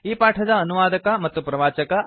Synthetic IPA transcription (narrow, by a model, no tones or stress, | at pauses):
iːpaːʈʰɐd̪ɐːnuʋaːd̪ɐkɐmɐt̪ːupɾɐʋaːt͡ʃɐkɐ